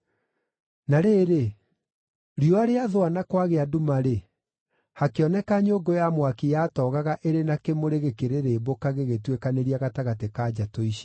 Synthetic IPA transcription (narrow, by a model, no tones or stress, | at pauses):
naɾeːɾe | ɾiɔaɾeaðoanakwaɣeadumaɾe | hakeɔnɛkaɲoːɡojamwakijatɔːɣaɣaʔeɾenakemoɾeɣekeɾeɾeːbokaɣeɣetwekaneɾiaɣataɣatekad͡ʑatoiʃi̥